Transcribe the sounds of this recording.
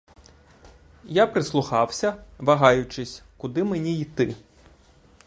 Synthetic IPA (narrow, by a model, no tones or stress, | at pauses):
japɾɪslˠʊxɑwsʲɐʋɐɦɑjʊt͡ʃɪsʲkʊd̪ɪmenʲiit̪ɪ